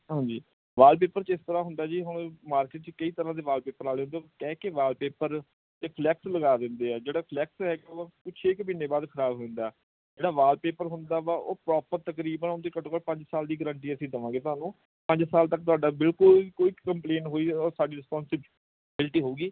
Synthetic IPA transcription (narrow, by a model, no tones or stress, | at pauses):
ɦãːd͡ʒiː | ʋaːlp̬eːpəɾt͡ʃɪst̪əɾãːɦʊnd̪aːd͡ʒiːɦʊɳ̃maːɾkeːʈ̚t͡ʃkəiːt̪əɾãːd̪eːʋaːlpeːpəɾaːleːõnd̪ekɛ̃ːkeʋaːlpeːpəɾ | eːpʰlɛːksləɡaːd̪ɪ̃nd̪eːɛːd͡ʒeːɽaːpʰlɛːksɦɛːɡaːopɪt͡ʃʰeːkəbiːnːeːbaːd̪kʰəɾaːbɦõnd̪aː | d͡ʒeːɽaːʋaːlpeːpəɾɦʊnd̪aːʋaːʔoːpɾɔːpəɾt̪əkɾiːbənond̪eːkəʈokəʈpə̃ɲd͡ʒsaːld̪iːɡəɾəɳʈiːəsĩːd̪əʋãːɡeːt̪ʊɦaːnũː | pə̃ɲd͡ʒsaːlt̪ək̚t̪ʊaːɖaːbɪlkʊlkoːiːkəmpleːnɦoːiːɔːɾsaːɖiːɾɪspɔːnsɪb | bɪlʈiːɦoːuːɡiː